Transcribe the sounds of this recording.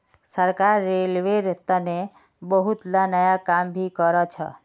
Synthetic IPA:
səɾkaɾːelʋeɾət̪ane | bəɦut̪lanəjakambʱikəɾɔt͡ʃʰə̰

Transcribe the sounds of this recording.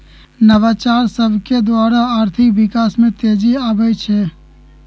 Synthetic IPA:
nəʋaːt͡ʃaːɾsəbʱked̪waːɾaaːɾt̪ʰɪkʋɪkaːsmẽt̪eːd͡ʒiaːbəjt͡ʃʰeː

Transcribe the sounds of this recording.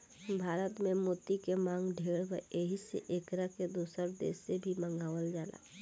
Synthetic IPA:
bʱaːɾət̪mẽmoːt̪ikemãːŋɡɖʱeːɽʋəeːɦisḛʔeːkɾaked̪uːsəɾd̪ḛːsːebʱimə̃ŋɡaːʋəld͡ʒaːla̰ː

